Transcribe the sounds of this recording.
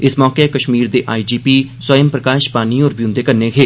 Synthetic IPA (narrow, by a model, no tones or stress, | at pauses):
ɪsmɔːkekəʃmiːɾd̪eʔaːid͡ʒiːpiːswəjəmpɾəkaːʃpaːniɔːɾbijʊ̃nd̪ekəɾneɡʰʱeː